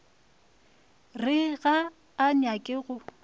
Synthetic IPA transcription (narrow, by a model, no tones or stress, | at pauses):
rɪɣaː | nakʼɪɣʊ